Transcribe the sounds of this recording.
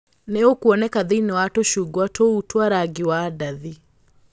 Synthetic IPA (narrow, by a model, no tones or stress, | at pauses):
neokwɔnɛkaðeinewatoʃuɡwatʰoutwaɾaɡiwadaði